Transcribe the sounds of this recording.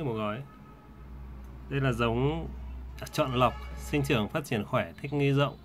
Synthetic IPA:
m˨˩ɣɔ˨˦j | ɗə˧jlaː˨˩zə˨˦wŋ͡m | t͡ɕɔ̰˧˨nlə˨˩wk͡p̚sï˧ŋ̟t͡ɕɨ˨˩əŋfaː˦˥t̚t͡ɕi˧˩ənxwɛː˧˩t̪ʰi˦˥k̟̚ŋi˧zə̰˧˨wŋ͡m

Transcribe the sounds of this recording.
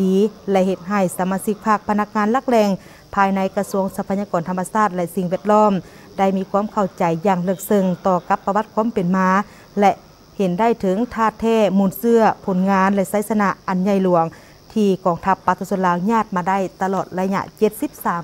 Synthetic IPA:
diː˨˦lɛ˧ʔhe˧˩t̪̚ɦa˧˩jsa˨˧˦maː˧si˧˥k̚pʰaː˧˩k̚pʰa˧na˧˥k̚ŋaː˧˥nla˧˩k̚lɛː˧˩ŋ | pʰaː˧jna˧˥jka˧su˧˥əŋsa˧pʰa˧ɲːaː˧kɔː˨˩nt̪ʰmːa˧saː˧˩t̪̚lɛ˧ʔsi˨˧˦ŋʋɛː˧ət̪̚lɔː˥˨m | da˥˩˨jmiː˧˥˧kʰuː˧˥ə˨mkʰa˧˩wt͡ɕa˨jːaː˧˩ŋlɤ˧˩k̚sɤ˧ŋt̪ɔː˧˩ka˧˦pːa˧wa˧˥t̪̚kʰuː˧˥˨mpe˨nmaː˧˥ | lɛ˧ʔ | he˨˦nda˥˨jt̪ʰɤ˨˦ŋt̪ʰaː˧˩t̪ʰːɛː˧˥˩muː˧˩nsɯ˧ɐpʰo˨˩˦nŋaː˧˥nlɛ˧sa˧˥jsa˧na˧ʔa˨nɲa˧˩jlu˨˩˦əŋ | t̪ʰiː˧kɔː˨˩ŋt̪ʰa˧pːa˧t̪saː˧so˧˥nlaː˧wɲaː˧˥˩t̪̚maː˧da˥˩˨jt̪a˧lɔː˨˩t̪̚la˧˥ɲa̰˧˨ʔt͡ɕe˧t̪̚si˧˦˥p̚saː˨˦m

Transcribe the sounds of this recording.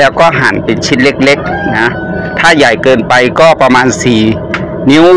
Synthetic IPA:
lɛː˦˥wkɔː˥˩ɦaː˩˦npe˨nt͡ɕʰi˦˥t̪̚le˦˥k̚le˦˥k̚na˦˥ | t̪ʰaː˥˩jaː˨˩jkɤː˧npa˧jkɔː˥˩pɾa˧maː˧nsiː˨˩ | ni˦˥w

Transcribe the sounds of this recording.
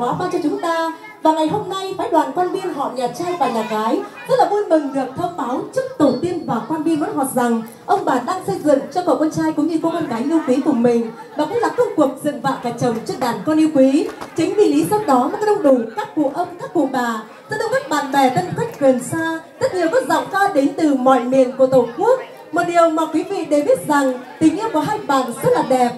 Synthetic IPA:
waː˨˦faː˧˦t͡ɕɔ˧t͡ɕʊ˨˦ŋ͡mt̪aː˧ | vaː˨˩ŋa˨˩jɦo˧mna˧jfaː˨˦jɗwaː˨˩nkwaː˧nɓi˧ənɦɔ̰˧˨ɲaː˨˩t͡ɕaː˧jfaː˧˩jlaː˨˩ɣaː˨˦jzə˦˥t̚laː˨˩mu˧ənmɨ˨˩ŋɗɨ˨˩ək̚t̪ʰəː˧mɓaː˨˦wt͡ɕɨ˦˥k̚t̪o˨˩t̪i˧ənvaː˨˩kwaː˧nɓi˧ənwɔ˨˦nɦɔ˨˩t̚za˨˩ŋ | ʔə˧wŋ͡mɓaː˧˩nɗaː˧ŋsə˧jzɨ̰˧˨ənt͡ɕɔ˧kɔ̰˨˩kwɔ˧nt͡ɕaː˧jkʊ̰˧˥˦ŋ͡mɲɨ˧kɔ˧wkɔ˧nɣaː˨˦jʔi˧əwkwi˨˦kʊ˨˩ŋ͡mmï˨˩ŋ̟ | ɓaː˨˩kʊ̰˧˥ŋ͡mlaː˨˩kə˧wŋ͡mku˨˩ək̚zɨ̰˧˨əŋva̰ː˧˨ŋkaː˨˩jt͡ɕə˨˩wŋ͡mt͡ɕɔ˦˧˥k̚ɗaː˧˩nkɔ˧nʔi˧əwkwi˨˦t͡ɕï˨˦ŋ̟vi˧˩li˨˦sa˧w̚ɗɔ˨˦maː˨˩˨ɗə˧ŋ͡mɗu˧˩kaː˦˥k̚kṵ˧˨ʔə˧wŋ͡mkaː˦˥k̚kṵ˧˨əɓaː˨˩ | za̰˧˥ɗə˧wŋ͡mkaː˦˥t̚ɓaː˨˩nɓɛ˨˩t̪ə˧n˧˩ka˦˥jk̟̚kwi˨˩nsaː˧t̪ə˦˥t̚li˨˩əwkɔ˨˦za̰˧˨ŋ͡mkaː˧ɗe˨˦nt̪ɨ˨˩mɔ̰˧˨jmḭ˨ənku˧˩ət̪o˧˨˩ku˦˥ək̚ | mo˨˩t̚ɗi˨˩əwmaː˨˩kwi˨˦mi˨˩ɗe˨˩ɓi˦˥ət̚za˨˩ŋt̪ï˨˦ŋ̟ʔi˧kɔ˧˨˩ɦaː˧jɓa̰ː˨˩nzə˦˥t̚laː˨˩ɗɛ˨˩p̚

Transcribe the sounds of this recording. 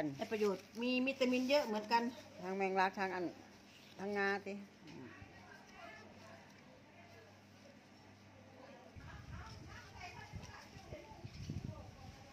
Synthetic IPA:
nlɛ˧˩pa˧joː˨˩t̪̚miː˧˥mi˧˥t̪ːa˧mi˧˥˨njɤ˦˥ʔmɯ˩˦ənka˧nt̪ʰaː˧ŋmɛ˧˩ŋlaː˧˥k̚t̪ʰaː˧ŋʔa˨n | t̪ʰa˧ŋːaː˧˥t̪i˧˦ | ɯː˧˩

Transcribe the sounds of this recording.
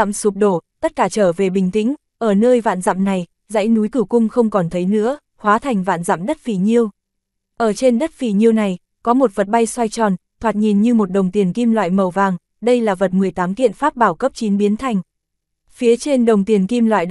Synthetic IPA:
msu˨˩p̚ɗo˧˩t̪ə˦˥t̚kaː˧˩t͡ɕəː˧˩ve˨˩ɓï˨˩ŋ̟t̪ï˧˥ŋ̟ | ʔəː˧˩nəː˧jva̰ː˧˨nza̰˧˨mna˨˩j | za̰˧˥jnu˨˦jkɨ˧˩kʊ˧ŋ͡mxə˧wŋ͡mkɔ˨˩nt̪ʰə˨˦jnɨ̰˧˥ə | hwaː˨˦t̪ʰa˨˩jŋ̟va̰ː˧˨nza̰˧˨mɗə˦˥t̚fi˨˩ɲi˧əw | ʔəː˧˩t͡ɕe˧nɗə˦˥t̚fi˧˩ɲi˧əwna˨˩j | kɔ˨˦mo˨˩t̚və˨˩t̚ɓa˧jswa˧jt͡ɕɔ˨˩nt̪ʰwaː˨˩t̚ɲi˨˩nɲɨ˧mo˨˩t̚ɗə˨˩wŋ͡mt̪i˨˩ənki˧mlwa̰ː˧˨jmə˨˩wvaː˨˩ŋ | ɗə˧jlaː˨˩və˨˩t̚mɨ˨˩əjt̪aː˨˦mkḭ˧˨ənfaː˦˥p̚ɓaː˧˩wkə˦˥p̚t͡ɕi˨˦nɓi˨˦ənt̪ʰa˨˩jŋ̟ | fi˨˦ət͡ɕe˧nɗə˨˩wŋ͡mt̪i˨˩ənki˧mlwa̰ː˧˨j

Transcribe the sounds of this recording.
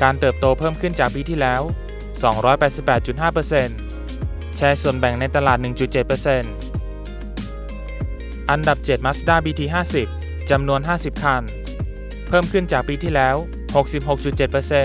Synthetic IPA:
kaː˧nt̪ɤː˨˩p̚t̪oː˧pʰɤː˥˩mkʰɯ˥˩nt͡ɕaː˨˩k̚piː˧t̪ʰiː˥˩lɛː˦˥w | sɔː˩˦ŋɾɔː˦˥jpɛː˨˩t̪si˨˩pːɛː˨˩t̪̚t͡ɕu˨˩t̪̚ɦaː˥˩pɤː˧se˧n | t͡ɕʰɛː˧su˨˩ənbɛ˨˩ŋna˧jt̪a˧laː˨˩t̪̚nɯ˨˩ŋt͡ɕu˨˩t̪̚t͡ɕe˨˩t̪̚pɤː˧se˧n | ʔa˧nda˨˩p̚t͡ɕe˨˩t̪̚ma˦˥s̚daː˥˩biː˧t̪ʰiː˧ɦaː˥˩si˨˩p̚ | t͡ɕa˧mnu˧ənɦaː˥˩si˨˩p̚kʰa˧n | pʰɤː˥˩mkʰɯ˥˩nt͡ɕaː˨˩k̚piː˧t̪ʰiː˥˩lɛː˦˥w | ho˨˩k̚si˨˩p̚ho˨˩k̚t͡ɕu˨˩t̪̚t͡ɕe˨˩t̪̚pɤː˧se˧

